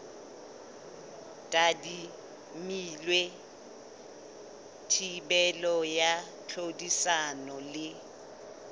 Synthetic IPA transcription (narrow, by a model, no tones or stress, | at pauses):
tʼadi | milwe | tʰibɛlɔja | t͡ɬʰodisanɔlɪ